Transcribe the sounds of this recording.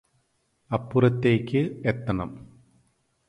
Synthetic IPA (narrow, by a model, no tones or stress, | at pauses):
ɐpːurɐt̪ːeːkʲːɨet̪ːɐɳɐ̰m